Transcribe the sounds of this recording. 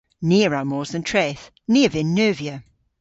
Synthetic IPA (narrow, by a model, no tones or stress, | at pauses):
niəɹamɔːzə̃ntʰɹ̥eːθ | niəvɪnːɜːviə